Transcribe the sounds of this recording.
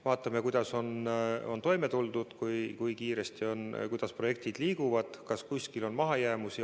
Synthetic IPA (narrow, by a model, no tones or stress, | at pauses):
vɑːt̪ːˑɑme̞kujd̪̥ɑso̞no̞̰nt̪o̞jme̞t̪uld̪̥ud̪̥kujkujkiːɾest̪io̞nkujd̪̥ɑspro̞je̞k̚t̪id̪̥liːɡuvɑd̪̥kɑskusʲkilo̞nmɑɦɑjæːmusi